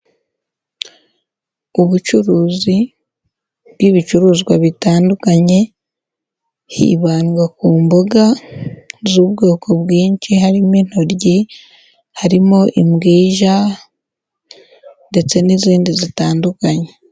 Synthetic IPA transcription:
uβut͡ʃuɾuːzi | bwiβit͡ʃuɾuːzɡwaβitaːndukaɲe̞ | hḭːβaːnɡakuːmboɡa | zuːβ̚ɡoːkʰoβɡiːɲt͡ʃiɦaɾimin̥oɾɟi | haɾimoʔimɡiːʒa | nde̞t͡se̞niziːndizitaːndukaɲe

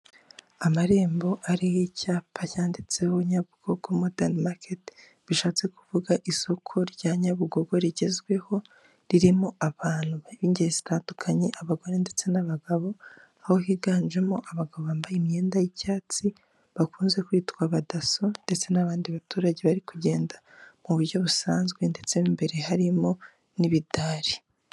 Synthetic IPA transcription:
amaɾe̞ːmbo̞ʔaɾijicaːpʰacaːndit͡se̞ho̞ɲaβuɡ̥o̞ɡ̥o̞modanmaket | βiʃaːt͡se̞ku̥vuɡaʔiso̞kʰo̞ɾɟaɲaβuɡo̞ɡo̞ɾiɟe̞zɡwe̞ho̞ | ɾiɾimoaβaːn̥huβaiβiːɲɟeɾiz̥itaːndukʰaɲe̞ʔaβaɡo̞ɾende̞t͡se̞naβaɡaβo̞ | aho̞hiɡaːnʒe̞mo̞ʔaβaɡaβoβaːmbajeimɲe̞ːndajicaːt͡si | βakuːnze̞kwiːtkwaβadaso̞nd̥e̞t͡se̞naβaːndiβatuːɾaɟe̞βaɾikuɟe̞ːnda | muβuɾɟo̞βusaːnzɡwe̞nde̞t͡se̞mbe̞ɾe̞haɾimo̞ | niβidaːɾi̥

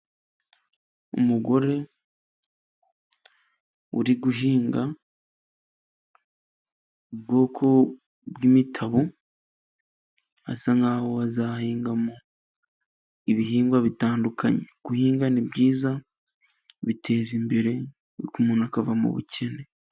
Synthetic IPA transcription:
ṵmuɡo̞ɾe̞ | ṵɾiɡuɦiːŋɡa | ub̚ɡo̞ːkʰo̞ | bɡimitʰaβo | a̰saŋɡaːwoazahiːŋɡamo | iβiɦiːŋɡwaβitaːndukʰaɲeɡ̥uhiːŋɡanibɟiːza | βitʰe̞ːzimbe̞ɾe̞ | βḭkumunakavamṵβṵcʰe̞ne̞

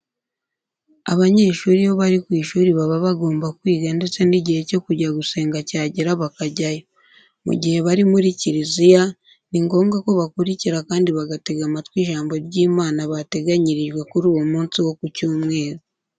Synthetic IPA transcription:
a̰βaɲe̞ʃuːɾiβoβaɾikwiːʃuːɾiβaβaβaɡo̞ːmbakwiːɡande̞t͡se̞niɟihe̞co̞kuɟaɡuse̞ːŋɡacaːɟiɾaβakaɟajo | mṵɟihe̞βaɾimuɾiciɾizija | niŋɡo̞ːŋɡako̞βakuɾiciɾakaːndiβaɡate̞ɡamatwiːʒaːmbo̞ɾɟiːmaːnaβate̞ɡaɲiɾiʒɡwe̞kuɾuːwo̞muːnsiwo̞kucuːmŋe̞ːɾo

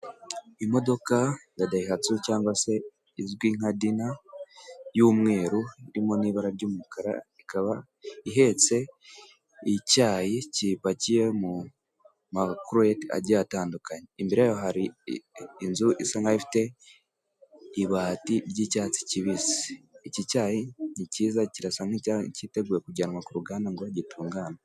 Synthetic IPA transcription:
imo̞do̞kanadaiɦat͡sucaːŋɡwase̞ | izɡwiːŋadina | juːmŋe̞ːɾuiɾimo̞niːβaɾaɾɟuːmukʰaɾa̰ikaβa | iɦe̞t͡se̞ | icaːjicipacije̞mu | makɾueta̰ɟijataːndukaɲeːmbiɾejoɦaɾi | inzuʔisaŋɡaifi̥te̞ | βaːtiɾɟiːcaːt͡si̥ciβise̥ːcicaːjiniciːzaciɾasaŋiacite̞ɡuːjekuɟanwakuɾuɡaːnaŋɡoaɟitʰuːŋɡaːna

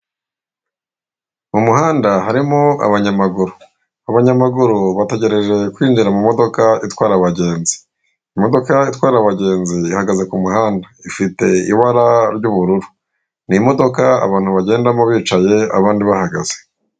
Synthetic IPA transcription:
mumuɦaːndaɦaɾimoa̰βaɲamaɡuɾu | aβaɲamaɡuɾuβate̞ɟe̞ɾe̞ʒe̞kwiːnd͡ʒiɾamumo̞do̞kaitwaːɾaβaɟe̞ːnzi̥ | imo̞do̞kaitwaːɾaβaɟe̞ːnziːhaɡaze̞kumuhaːndaifite̞ḭβaɾaɾɟuːβuɾuɾu | nimo̞do̞kaa̰βaːn̥huβaɟe̞ːndamoβiːt͡ʃaje̞a̰βaːndiβahaɡaz̥e

